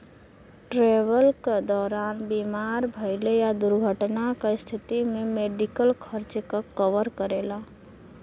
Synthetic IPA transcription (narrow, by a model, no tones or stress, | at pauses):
ʈɾeːʋəlked̪ɔːɾaːnbimaːɾbʱəjlejad̪ʊɾɡʱəʈnakest̪ʰit̪imẽmeːɖikəlkʰəɾt͡ʃkakəʋəɾkəɾeːla